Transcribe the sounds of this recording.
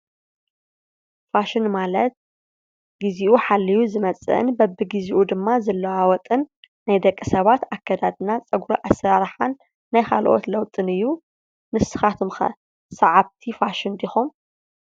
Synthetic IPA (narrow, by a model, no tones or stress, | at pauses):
faʃɪnmalɐt̪̚ | ɡiziʔuħalːijuzɨmɐt͡sʼɨ̰ʔɨ̰nbɐbɨɡiziʔud̪ɨmːazɐlːɐwawɔt̪ʼɨnː | ajd̪ɐkʼːɨsɐβat̪akːɐd̪ad̪ɨnat͡sʼɐɡuɾoʔasaɾħanː | ajxʰa̰lʔo̞̰t̪lɐwt̪ʼɨnɨjːu | nɨsɨ̥xat̪ʰɨmxɐ̰ | sɐʕaβt̪ʰifaʃɪnd̪ixom